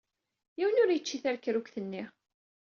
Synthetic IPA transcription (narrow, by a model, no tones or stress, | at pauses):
jiwənʊɾjət͡ʃːiθæɾkːɾukθənːi